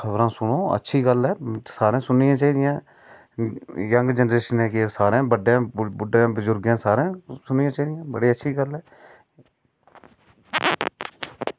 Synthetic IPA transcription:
əbɾãːsʊnoːə̰tːʃʰiːɡəlɦɛːsaːɾẽːsʊnːɪjãːt͡ʃaːiːd̪ɪjãː | jəŋɡd͡ʒənɾeːʃənɦɛ̃ːkesaːɾẽːbəɖjãːbʊɖãːbəzʊɾɡjãːsaːɾẽːsʊnːɪjãːt͡ʃaːiːd̪ɪjãːbəɽiːətːʃʰiːɡəlɦɛː

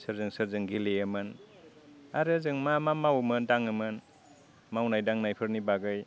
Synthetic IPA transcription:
sɯɾzɯŋsɯɾzɯŋɡileɯmɯn | aɾɯzɯŋmamamawmɯndaŋɯmɯn | mawnajdaŋnajpʰɯɾnibaɡɯj

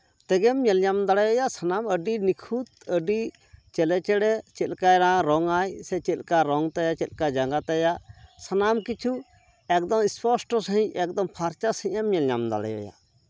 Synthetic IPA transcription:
t̪ɛɡɛmɲɛljamd̪aɽɛjɔjasanaməɖinikʰut̪əɖi | t͡ʃɛlɛt͡ʃɛɽɛt͡ʃɛt̪kaɾãɾɔŋajsɛt͡ʃɛlkaɾɔŋt̪ɛjat͡ʃɛt̪l̚kad͡ʒaŋɡat̪ɛjasanamkit͡ʃʰu | ɛk̚d̪ɔŋispɔsʈɔsəɦĩɲɛk̚d̪ɔŋpʰaɾt͡ʃasə̃ɛmɲɛlɲamd̪a̰ɽɛ̰jɔ̰ja̰

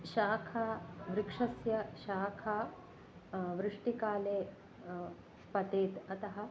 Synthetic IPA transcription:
ʃaːkʰaːʋɾikʂɐsjɐʃaːkʰaː | ʋɾɪʂʈikaːleː | pɐt̪eːt̪ɐt̪ɐɦɐ̆

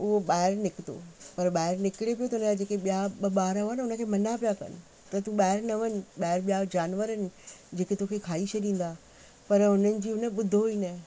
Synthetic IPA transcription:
ʊɦoɓaːɪɾnɪkɪt̪o̰pɐɾɓaːɪɾnɪkɪɽepijot̪ɐʊnəad͡ʑeːkeɓijaɓɐɓaːɾənʊnə̆kʰeːmɐnapijakɐ̰nɪ̆ | t̪ɐt̪ũɓaːɪɾnɐʋənɪ̆ɓaːɦɪɾɓijad͡ʑaːnʋəɾənɪ̆d͡ʑeːket̪okʰekʰaːit͡ɕʰɐɗĩːn̆d̪aː | pɐɾɦʊnənɪ̆d͡ʑiːɦʊnəɓʊd̪ʱoiːnə̃

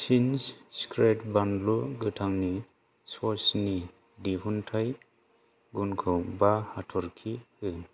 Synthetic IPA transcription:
sinsskɾetbandluɡɯtʰaŋni | sɔsni | diɦuntʰaj | ɡunkʰɔwbahatʰɔɾkʰihɯ

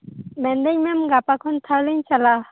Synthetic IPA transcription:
mɛnd̪ɛŋmɛmɡapakʰɔnt̪ʰaɾlɯɲt͡ʃala

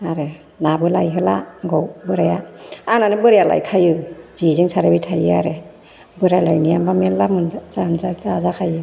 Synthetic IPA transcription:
aɾe | nabɯlajɦɯlaɡɔwbɯɾajaananɯbɯɾajala̰jkʰajɯzizɯŋsaɾabitʰajɯaɾe | bɯɾajlajnijambamelːamɯnzaɯnzazazakʰajɯ

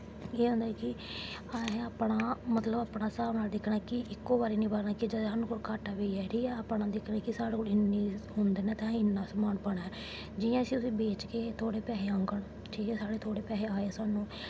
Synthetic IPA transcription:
eːɦõːnd̪aɛkɪaːeaːpɽaːmət̪ləbaːpɳaːsaːʋnaːld̪ɪkʰɳaːkɪʔɪkːoːbaːɾiːnĩːbaːɾnaːkɪd͡ʒəd̪aːnũːkoːɽkaːʈaːʋeːɛːɾiːɛːaːpɳãːd̪ɪkʰnaːkɪsaːɽeːkoɽɪnːiːɦʊnd̪eːnɛ̃ːt̪ãːɪnːãːsəmaːnpəɽ̃aɛ | d͡ʒɪjãːəsiːʊsĩːbeːt͡ʃkeːt̪ʰoːɽeːpaːɦeːəŋɡəɳ | t͡ʃeːẽːsaːɽeːt̪ʰoːɽeːpjaːeːaːeːsaːnːũː

